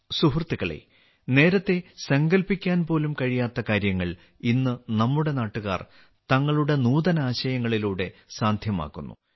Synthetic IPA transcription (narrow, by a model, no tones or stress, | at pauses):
suɦrt̪ːiɣɐɭḛ | ne̞ːɾɐt̪ːe̞sɐŋɡɐlpikʲːaːnpo̞ːlumkɐɻijaːt̪ːɐkaːɾjɐŋːɐɭ | inːɨnɐmːuɽe̞naːʈːuɣa̰ːr | t̪ɐŋːɐɭuɽe̞nuːd̪ɐnaːɕɐjɐŋːɐɭiluːɽe̞saːnd̪ʱjɐma̰ːkːunːṵ